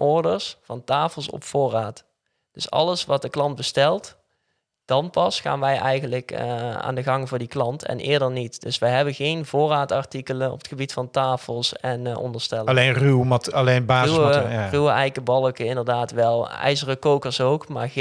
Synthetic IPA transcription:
ʔɔɹdəɹsfɑntaːfəlˠsɔ̰pfʊːraːt | d̥ɵsɑ̰ləsʋɑt̚dəklɑnd̚bəstɛlˠt | d̥ɑnpɑsχa̰ːnʋɛjʔɛjɣənləka̰ːndəɣɑŋvʊːɹdiklɑntʰɛ̰nʔɪ̰ːɹdəɹnitd̥ɵsʋɛjɦɛbənɣejnvʊːraːtɑɹtikələnɔ̰pətχxəbitfɑntaːfəlˠsɛnɔ̰ndəɹstɛllenrywmɑtɑlejnbaːzrywəɛjkəbɑlˠəkəɪndəɹdaːtʋɛlˠɛ̰jzərəkowkəɹsowkma̰ːɹ

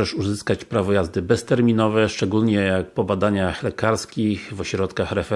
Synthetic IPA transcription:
ɛʂuzɘskat͡ɕpɾavɔjazd̪ɘbɛst̪ɛɾmʲinɔvɛʂt͡ʂɛɡulɲɛjak̚pɔbad̪aɲaxlɛkaɾskʲixvɔɕɾɔt̪kaxɾɛfɛ

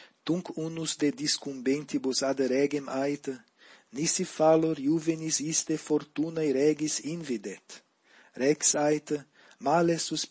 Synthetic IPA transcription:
t̪uŋkunuzd̪ed̪iskumbent̪ibusad̪ɾɛɡemajt̪ə | nisifaloɾjuvenisist̪efoɾt̪unajɾɛɡisinvid̪et̪ | ɾɛksajt̪ə | malesus

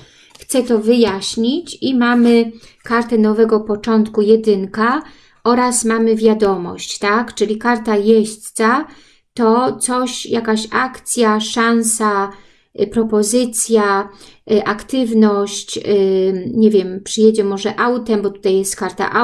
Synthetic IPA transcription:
xt̪sɛt̪ɔvɘjaɕɲit͡ɕimamɘkaɾt̪ɛnɔvɛɡɔpɔt͡ʂɔnt̪kujɛd̪ɘŋka | ʔɔɾasmamɘvʲjad̪ɔmɔ̰ɕt͡ɕt̪akt͡ʂɘlʲikaɾt̪ajɛɕt̪sa | t̪ɔt̪sɔɕjakaɕakt̪sʲjaʂansa | pɾɔpɔzɘt̪sʲja | ʔakt̪ɘvnɔɕt͡ɕ | ɲevʲjɛmpʂɘjed͡ʑɛmɔʐɛʔawt̪ɛmbɔt̪u̥t̪ajɛst̪kaɾt̪a̰ʔa

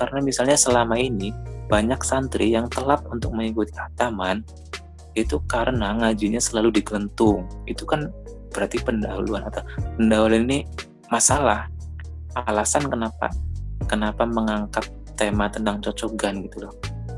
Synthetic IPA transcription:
kaɾənamisalɲasəlamainib̥aɲaksant̪ɾijaŋt̪əlap̪̚unt̪ʊk̚məŋikut̪i̥at̪aman | iit̪ukaɾənaŋad͡ʒiɲasəlaludikələnt̪ʊŋit̪ukan | b̥əɾart̪ipəndaɦuluanat̪awpəndaɦulanini | masalah | ʔalasankənapa̰kənapaməŋaŋkap̚t̪emat̪ənt̪aŋt͡ʃot͡ʃoɡanɡit̪ulɔh

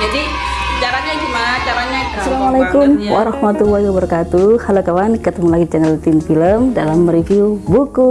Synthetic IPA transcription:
d͡ʒadi | d͡ʒaɾaɲaɡimanat͡ʃaɾaɲasalamalakumwa̰ɾɑhmat̪ulːahiwabəɾakat̪uhalokawankət̪əmulaɡit͡ʃɛnɛlt̪infiləmdalamrifiubuku

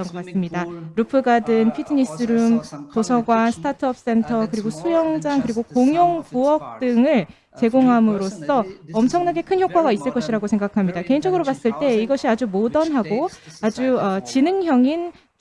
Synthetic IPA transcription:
ʌnɡʌk͈as͈ɯmɲidaɾupʰɯɡadɯnpʰitʰɯɲis͈ɯɾumtosʰʌɡwasʰɯ̥tʰatʰɯʌp̚s͈e̞ntʰʌkɯɾiɡosʰujʌŋd͡ʑaŋkɯɾiɡokoŋjʌŋpuʌk̚t͈ɯŋɯɭ | t͡ɕe̞ɡoŋɦamɯɾos͈ʌʌmt͡ɕʰʌŋnaɡe̞kʰɯnçjok͈waɡais͈ɯɭk͈ʌɕʰiɾaɡosʰe̞ŋɡakʰamɲidake̞ind͡ʑʌɡɯɾobas͈ɯɭt͈e̞iɡʌɕʰiad͡ʑumodʌnɦaɡoad͡ʑuʌt͡ɕinɯŋçjʌŋin

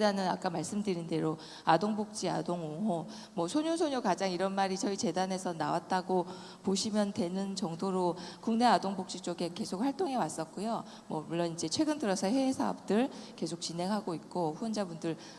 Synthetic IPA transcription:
danɯna̰k͈amaɭs͈ɯmdɯɾinde̞ɾo | adoŋbok̚t͡ɕ͈ia̰doŋoŋɦo | mʌsʰoɲonsʰoɲokad͡ʑaŋiɾʌnmaɾit͡ɕʌit͡ɕe̞dane̞sʰʌnawat̚t͈aɡo | poɕʰimjʌntwe̞nɯnt͡ɕʌŋdoɾokuŋne̞adoŋbok̚t͡ɕ͈it͡ɕ͈oɡe̞ke̞sʰok̚ɸwaɭt͈oŋɦe̞was͈ʌt̚k͈ojo | mʌbuɭːʌnid͡ʑe̞t͡ɕʰwe̞ɡɯndɯɾʌsʰʌɸwe̞ːsʰaʌp̚t͈ɯɭke̞sʰok̚t͡ɕine̞ŋɦaɡoit̚k͈oɸuʌnd͡ʑabundɯɭ

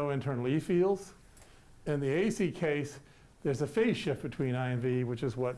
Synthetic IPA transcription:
oʊɨ̃ntʰɜ̃˞nl̩ˠifilˠdz̥ | ɨ̃nðieɪsikʰeɪs | ðə˞zɨfeɪz̥ʃɪf̚b̥ɨtʰw̥ĩnaɪɨ̃nviwɨt͡ʃɨzwʌt̚

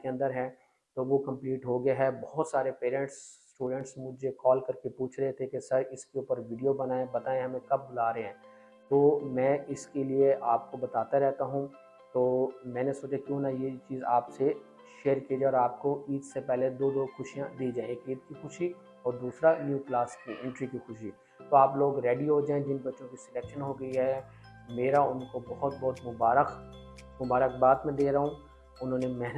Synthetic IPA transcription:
keɐ̃nd̪əɾɦɛ̃ː | t̪oʋokɐ̃mpliːʈɦoɡɐjaɦɛbɔɦʊt̪saːɾepeːɾɛ̃ɳʈsː | ʈuːɖə̃ɳʈsmʊd͡ʒʱekɔːlkɐɾkepuːt͡ʃʰɾɐɦet̪ʰekesɐɾɪskeuːpəɾʋiːɖijobɐnaːẽbɐt̪aːẽɦɐmẽkɐb̚bʊlaːɾɐɦẽɦɛ̃ː | t̪oːmɛ̃ːɪskelieʔaːp̚kobɐt̪aːt̪aɾɛɦt̪aɦũ | t̪oːmɛ̃ːnesoːt͡ʃekjõːnajet͡ʃiːzaːpse | ʃeːəɾkied͡ʒaːeɔːɾaːpkoiːt̪sepɛɦled̪oːd̪oːxʊʃijãd̪iːd͡ʒaːẽekiːt̪kixʊʃi | ɔːɾd̪uːsɾanjuːklaːskiɪ̃ɳʈɾikixʊʃi | t̪oaːploːɡɾeːɖiɦod͡ʒaːẽd͡ʒɪnbɐtːʃõkisɛlɛːkʃənɦoɡɐiɦɛ | meːɾaʊnkobɐɦʊt̪̚bɔɦt̪mʊbaːɾəx | mʊbaːɾəkbaːt̪mẽd̪eːɾɐɦũː | ʊnɦõːnemɛɦn

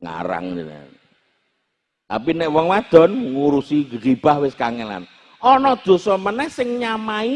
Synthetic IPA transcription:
ŋa̰ɾa̰ŋndina̰ | ʔa̰pinɛʔwɔŋwad̪̥ɔ̤nŋuɾusiɡəɡib̥ahwɪskaŋɛla̰n | ɔnɔd̪̥o̤sɔmənɛhsɪŋɲamai

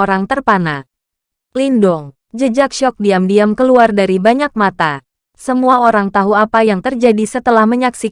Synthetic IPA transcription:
oɾaŋt̪ərpana | lindɔŋ | d͡ʒəd͡ʒak̚ʃɔk̚diamdiamkəluardaɾibaɲak̚mat̪a | səmuaoɾaŋt̪aɦuapajaŋt̪ərd͡ʒadisət̪əlahməɲaksi

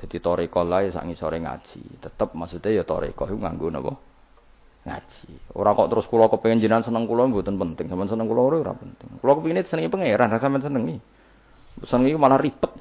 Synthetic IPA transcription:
d̪̥a̤d̪it̪ɔɾekɔlaisa̰ʔŋisɔɾeŋa̰̥ʒ̥ḭt̪ət̪əp̚masut̪ejɔt̪ɔ̰ɾḛkɔɦiuŋa̰ŋɡunə̰pɔ̰ | ŋa̰̥ʒ̥io̰ɾakɔʔt̪əɾʊskulɔkəpiŋənd͡ʒənansənəŋkulɔbut̪ənpənt̪ɪŋsamɛnsənəŋkulɔuɾeuɾa̰pənt̪ɪŋkulɔkəpinisənəŋipəŋeɾanasampɛnsənəŋi | sənəŋikumalahripət̪̚

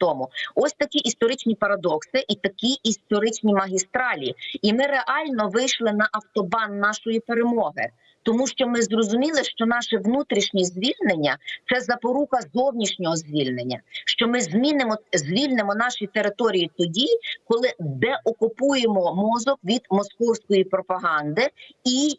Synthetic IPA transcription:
t̪ɔmʊɔsʲt̪ɐkʲiʔist̪ɔɾɪt͡ʃnʲipɐɾɐd̪ɔksɪʔit̪ɐkʲiist̪ɔɾɪt͡ʃnʲimɐɦʲist̪ɾɑlʲiimɪɾe̞ʔɑlʲnɔʋɪjʃlˠɪnɐʔɐwt̪ɔbɑnːɑʃɔjipeɾemɔɦɪ̰ | t̪ɔmuʃt͡ʃɔmɪzrɔzʊmʲilˠɪʃt͡ʃɔnɑʃɛʋnut̪ɾʲiʃnʲizʲʋʲilʲnenʲːɐtt̪sɛzɐpɔɾukɐzɔwnʲiʃnʲɔɦɔzʲʋʲilʲnenʲːɐ̰ʃt͡ʃɔmɪzʲmʲinɪmɔzʲʋʲilʲnɪmɔnɑʃit̪eɾɪt̪ɔɾʲijit̪ɔdʲikɔlˠɪd̪ɛʔɔkʊpujemɔmɔzɔkʋʲid̪mɔskɔwsʲkɔjipɾɔpɐɦɑnd̪ɪi

